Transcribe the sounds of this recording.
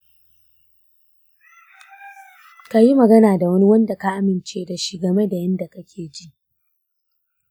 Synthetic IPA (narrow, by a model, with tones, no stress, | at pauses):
ka˨ji˦mɐ˨ɡɐ˦naː˨da˨wɐ˦ni˦wɐ˦nda˨ka˦˨ʔa˦mɪ˨nt͡ʃeː˦da˨ʃi˦ɡɐ˨me˦da˨jɐ˦nda˨kɐ˦kʲʰeː˨d͡ʒi˦ʔ